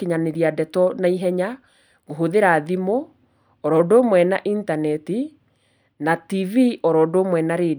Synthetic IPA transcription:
keɲaneɾiadɛtɔnaiɦɛɲa | ɣoɦoðeɾaðimoː | ɾɔdoːmwɛnaʔintanɛti | nativiʔɔɾɔːdoːmwɛnaɾe

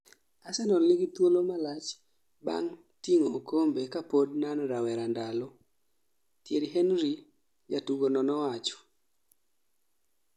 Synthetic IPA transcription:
asɛnɔnlɪɡɪt̪wolomalat͡ʃ | ba̰ŋ | tiŋookʰombekapod̚nanɾawɛɾandalɔ | tjeɾiɦenɾi | d͡ʒatuɡonɔnɔwat͡ʃɔ̥

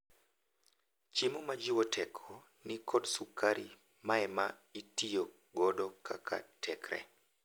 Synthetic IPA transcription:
t͡ʃimumad͡ʒiwɔtʰɛkʰɔ | nikɔdsukʰaɾi | maɛmaitijo | ɡɔdɔkʰa̰kʰa̰tʰɛkɾɛ̰

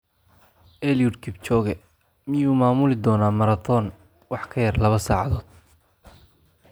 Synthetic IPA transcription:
ʔɛljudkʰɪbt͡ʃɔːɣɛ | mɪjuːmaːmʊlɪd̪ɔːnaːmɐɾɐθɔːn | wɑħkʰɐjɐrlɐβɐsaːʕɑðɔːd̪̥̚

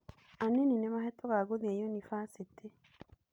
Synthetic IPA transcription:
aneninemaɦetoɣaɡoðiejonifasitʰe

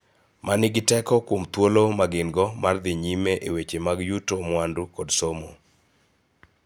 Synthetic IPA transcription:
mʔanɪɡɪtɛkɔkwomt̪wolomaɡɪnɡɔmard̪ɪɲimeʔewet͡ʃemaɡjutomwandukɔdsomo̰

